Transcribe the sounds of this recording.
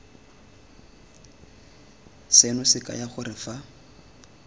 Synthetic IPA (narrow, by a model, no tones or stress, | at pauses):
senʊsɪkʼa̰jaχʊrɪfa